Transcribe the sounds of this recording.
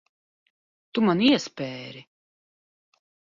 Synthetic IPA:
t̪umaniɛspʲɛːɾi

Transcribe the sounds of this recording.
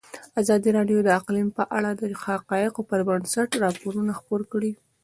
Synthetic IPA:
azɑd̪iɾɑɖjod̪əaqlimpəʔaɽad̪əɾixhaqɑjɪqopəɾbənsaʈɾɑpoɾunaxpoɾkɽi

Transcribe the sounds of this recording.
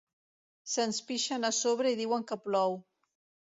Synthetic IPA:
sənspiʃənəsoβ̞ɾəiðiwəŋkəplɔw

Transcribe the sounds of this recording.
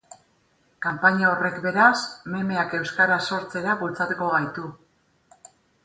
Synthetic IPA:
kampaɲao̞re̞kbe̞ɾasme̞me̞ake̞wskaɾaso̞ɾt͡se̞ɾaβult͡sat̪uko̞ɣajt̪u

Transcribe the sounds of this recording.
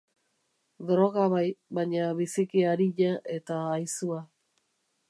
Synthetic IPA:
dɾo̞ɣaβajβaɲaβisikiaɾiʎaʔe̞t̪aːjsua

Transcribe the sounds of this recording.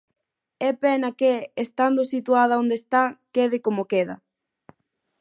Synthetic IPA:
ɛpɛnɐkeest̪and̪osit̪uað̞ɐond̪est̪akeðɪkomokeðɐ̰

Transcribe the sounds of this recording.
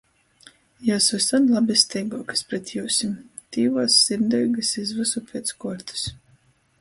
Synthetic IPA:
jasust̪anlˠabʲist̪ɛjɡɔkḁspɾɛt̪ʲjuːwsʲim | t̪iːvɔːsːiɾd̪ɔjɡɨsizvɨsupʰʲeɛt̪skuɔɾt̪ɨ̥s

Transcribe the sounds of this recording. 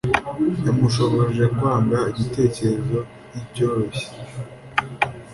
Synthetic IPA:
jamuʃo̞βo̞ɾeʒe̞kwaːŋɡaiɟite̞ːce̞ɾe̞zo̞ | ibɟoːɾoçe̥

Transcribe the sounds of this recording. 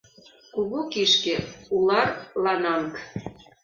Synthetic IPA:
kuɣukiʃkĕulɑrlɑnɑmk

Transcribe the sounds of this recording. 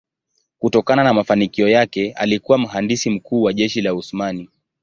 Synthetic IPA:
kutɔkananamafanikiɔjakɛa̰likuwam̩ɦandisim̩kuːwaʄɛʃilauθmani

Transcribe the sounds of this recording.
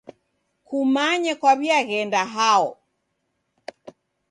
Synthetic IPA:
kumaɲɛkwaβiaɣɛndaɦaɔ

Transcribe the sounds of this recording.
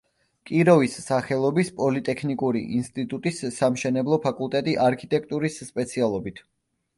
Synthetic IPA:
kʼiɾɔvisːaχɛlˠɔbispʼɔlit̪ʼɛkʰnikʼuɾḭʔinst̪ʼit̪ʼut̪ʼisːamʃɛnɛblˠɔpʰakʼulˠt̪ʼɛt̪ʼiʔaɾkʰit̪ʼɛkʰt̪ʼuɾisːpʼɛt̪sʰialˠɔbit̪ʰ

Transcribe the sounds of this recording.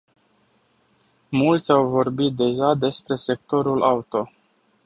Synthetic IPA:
mult̪sʲawvo̞rbit̪̚d̪e̞ʒad̪e̞spɾe̞se̞k̚t̪o̞ɾulʔaut̪o̞

